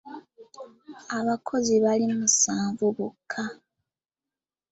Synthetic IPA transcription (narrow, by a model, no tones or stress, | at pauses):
aβakʰo̞ziβalimusaːɱvuβukʰːa